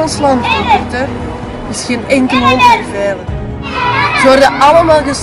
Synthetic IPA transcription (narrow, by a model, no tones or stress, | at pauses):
ɑnslɑntbəvɪrtə | ɪsxeːnɛŋkəlˠmɔlˠtərveːlən | zəʋɔrdəʔɑləmaːlˠɣəs